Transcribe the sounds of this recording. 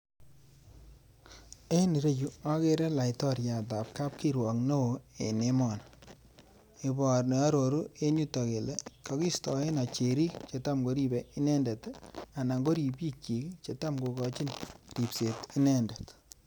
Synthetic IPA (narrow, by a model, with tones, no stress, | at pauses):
e˦ni˨ɾe˦t͡ʃu˨a˦ke˦ɾe˦la˨ɪtɔ˦ɾja˨t̬a˨p̚ka˦p̚ki˦ɾwɔ˨kno˦wo˨e˨ne˦mɔ˨n | e˨bɔ˨rne˨a˦ɾo˨ɾu˦e˦ɲu˦tɔ˨ke˨le˦kɔ˨˦ki˦stɔ˨e˦na˨t͡ʃe˨ɾi˦t͡ʃe˨ta˦mɡo˦ɾi˦be˨i˦ne˦nde˨ta˨na˨ŋɡo˦ɾi˨bji˦k̚t͡ʃi˨kt͡ʃe˨ta˦mɡo˨kɔ˦t͡ʃi˦nri˨pse˨ti˦ne˦nde˨t